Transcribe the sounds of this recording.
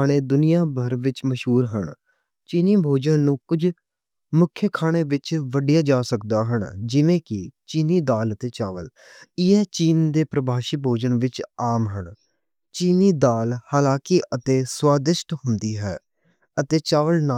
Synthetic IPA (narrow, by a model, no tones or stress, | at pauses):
aːɽ̃eːd̪ʊnɪjãːbʱəɾʋɪt͡ʃməʃɦuːɾɦəɳ | t͡ʃiːniːbʱoːd͡ʒənːũːkʊd͡ʒ | mʊkʰjəkʰaːɽ̃eːʋɪt͡ʃʋəɖijaːd͡ʒaːsəkd̪aːɦəɳd͡ʒɪʋẽːkɪt͡ʃiːniːd̪aːlət̪eːt͡ʃaːʋəl | ɪɛːt͡ʃiːnd̪eːpɾəbʱaːʃiːbʱoːd͡ʒənʋɪt͡ʃaːmɦəɳ | t͡ʃiːniːd̪aːlhaːlãːkiːʔət̪eːswaːd̪ɪʃʈɦʊnd̪iːɦɛː | ət̪eːt͡ʃaːʋəlnaː